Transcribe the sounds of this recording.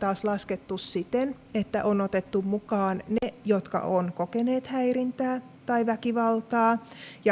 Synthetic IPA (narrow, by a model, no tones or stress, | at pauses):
t̪ɑːslɑsket̪ːussit̪en | et̪ːæ̰ʔonot̪et̪ːummukɑːnnejot̪kɑ̰ʔonkokeneːt̪hæirint̪æː | t̪ɑiʋækiʋɑlt̪ɑːjɑ